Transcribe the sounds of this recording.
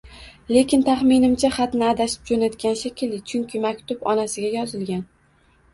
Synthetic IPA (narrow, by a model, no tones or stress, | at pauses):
le̞kʲʰɪnt̪ʰaχmɪnɪmt͡ʃʰaχɑt̪nɪad̪aʃɪ̥p̚d͡ʒonat̪kʲanʃekʲʰɪlːɪt͡ʃʰʊŋkʲʰɪmakʲt̪ʊpɒnasɪɡʲajɒzɪlɡʲan